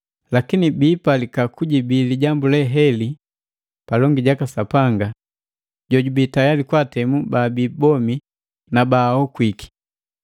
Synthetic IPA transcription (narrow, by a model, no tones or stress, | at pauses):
lakinibipalikakuɟibiliɟambulɛɦɛli | palɔŋɡiɟakasapaŋɡa | ɟɔɟubitajalikwatɛmubabibɔmi | nabaɔkwiki̥